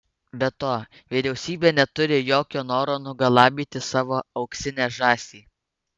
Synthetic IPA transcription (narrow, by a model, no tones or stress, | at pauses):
bʲɛt̪oː | ʋʲɪɾʲɛʊsʲiːbʲeːnʲɛt̪ʊɾʲɪjoːkʲoːnoːɾoːnʊɡɐlˠɑːbʲiːt̪ʲɪsɑːʋoːɒʊksʲɪnʲæːʒɑːsʲiː